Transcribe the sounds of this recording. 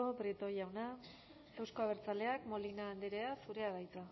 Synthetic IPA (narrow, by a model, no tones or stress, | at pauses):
obɾit̪o̞jawna | fuwskoaβ̞e̞ɾt͡sale̞akmo̞linaːnd̪eɾeasuɾe̞aβajt͡sa